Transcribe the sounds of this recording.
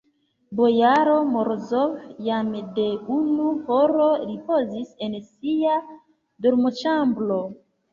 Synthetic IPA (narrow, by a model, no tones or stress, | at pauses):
bo̞jaɾo̞moɾzovjamde̞unuhoɾo̞ɾipo̞zise̞nsia | doɾmot͡ʃamblo̞